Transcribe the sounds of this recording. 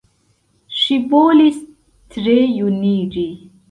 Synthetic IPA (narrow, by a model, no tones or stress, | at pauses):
ʃivoːlis | t̪ɾejuniːɾi